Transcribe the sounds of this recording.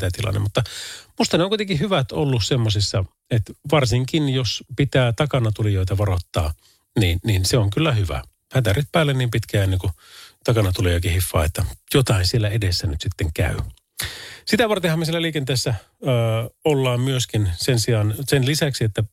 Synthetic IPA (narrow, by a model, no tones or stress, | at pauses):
t̪æt̪ilɑ̰nːḛmmut̪ːɑmust̪ɑneoŋkuit̪eŋkihyʋæt̪o̰lːussemːosisːɑ | et̪ʋɑrsiŋkinjospit̪æːt̪ɑkɑnɑt̪ulijoit̪ɑʋɑrot̪ːɑ̰ː | niːnninseoŋkylːæhyʋæ̰ | hæt̪æryt̪pæːlːenniːmpit̪kæːenːeŋkut̪ɑkɑnɑt̪uliɑkihifːɑ̰ːet̪ːæjot̪ɑinsielːæedesːænyt̪sit̪ːeŋkæ̰y | sit̪æʋɑrt̪ehɑmːesielːæliːkent̪eːsːæː | olːɑːmmyøskinsensiɑnsenlisæksiet̪ːæ